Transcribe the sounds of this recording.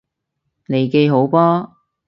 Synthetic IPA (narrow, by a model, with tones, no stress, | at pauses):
ne˨jke˧jɦo˨˥wpɔː˥